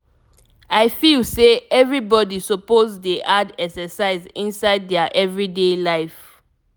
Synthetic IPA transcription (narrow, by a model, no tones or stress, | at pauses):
aɪfilseɛvɹibɔdisɔpozdeʔadɛksɛsaɪzĩnsaɪd̚dɛaʔɛvɹidelaɪf